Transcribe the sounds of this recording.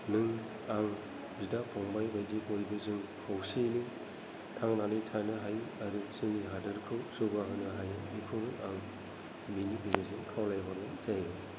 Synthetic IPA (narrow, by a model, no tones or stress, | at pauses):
nɯŋ | aŋ | zidapʰɔŋbajbajdibojbɯzɯŋkʰawsenɯŋ | tʰaŋnalɯjtʰanɯɦajaɾusɯŋiɦadɯɾkʰɯwsɯbaɦɯnɯɦajɯmikʰɯŋaŋ | minipʰizazɯŋkʰawlajbaɡɯzajɯ